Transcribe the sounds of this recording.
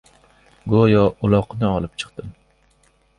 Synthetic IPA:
ɡojɒʔʊlˠɒqʰɨnɪɒlˠɪp̚t͡ʃʰɨ̥qt̪ɪm

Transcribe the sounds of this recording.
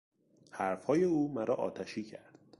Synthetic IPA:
hæɾfhɒːje̞uːmæɾɒːʔɒ̰ːt̪ʰæʃiːcʰæɾd̪̥

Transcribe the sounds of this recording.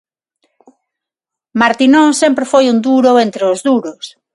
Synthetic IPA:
maɾt̪inõsempɾefojund̪uɾoent̪ɾeozðuɾos

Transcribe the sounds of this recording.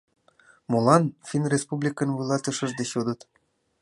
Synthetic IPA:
molɑnfinrʲespublʲikə̆nvulˠɑt̪ə̆ʃə̆ʒd̪eɕod̪ə̆t̪

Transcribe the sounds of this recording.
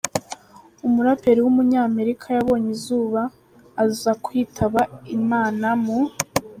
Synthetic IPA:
umuɾape̞ɾiwumuɲɲaːme̞ɾikʰajaβo̞ːɲizuːβaː | zuzakwiːtʰaβaimaːnamu

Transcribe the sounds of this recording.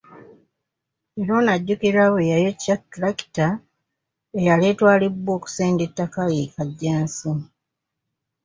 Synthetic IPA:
eɾonaɟːukiɾawejajocatɾaki̥ta | ejaleːtwaːlibːwo̞ːku̥seːndetːakaɣikaɟːaːnsi

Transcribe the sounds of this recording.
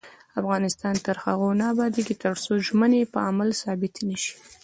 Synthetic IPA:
afɣɑnɪst̪ɑnt̪əɾxaɣonɑbɑd̪eɡit̪əɾsoʒmənepəamalsɑbɪt̪nəʃi̥

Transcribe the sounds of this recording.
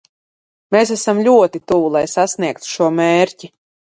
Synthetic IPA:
mes̬æsamlʲuɔt̪it̪uvulˠajsasniɛk̚t̪u̥ʃuɔmeːɾci

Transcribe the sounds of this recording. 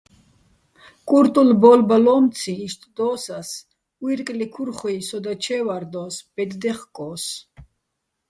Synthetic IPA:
kʼuɾt̪ʼulbɔlbalɔmt̪t͡sʰiːʃt̪ʼd̪ɔːsas | wiɾkʼlikʰuɾχɔisɔd̪at͡ʃʰɛːvaɾd̪ɔːsb̥ɛd̪d̪ɛχkʼɔːs

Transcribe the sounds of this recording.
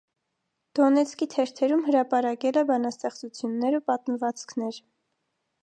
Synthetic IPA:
d̪̥ɔnɛt͡sʰkit̪ʰɛɾt̪ʰɛɾumɦəɾɑpɑɾɑkɛlɛbɑnɑst̪ɛχt͡sut͡sʰjunːɛɾupɑt̪məvɑt͡sʰkʰnɛɾ

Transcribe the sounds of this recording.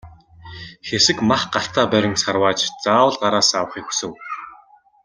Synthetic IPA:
xesɘ̆kmaχɢaɬt̪ʰaːpæɾʲɪ̆ŋsarwaːt͡ɕt͡saːwə̆ɮɢaɾaːsaːwə̆χixu̥sɘ̆w

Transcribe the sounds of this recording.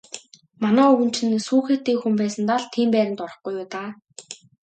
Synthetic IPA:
manæːɵwɘ̆nt͡ɕɘ̆nsuːxeːt̪ːeːxumpæːsə̆nt̪aɮt̪ʰiːmpæːɾɪ̆nt̪ɔɾə̆χɡujʊːt̪aː

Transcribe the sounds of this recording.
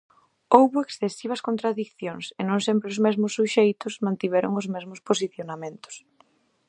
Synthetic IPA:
owβʊeksθesiβ̞ɐskont̪ɾaðikθjoŋsɪnõŋsɛmpɾɪʊzmɛzmʊsːuʃejt̪ʊsmãnt̪iβɛɾʊ̰ŋʊzmɛzmʊsposiθjonamẽnt̪ʊ̥s

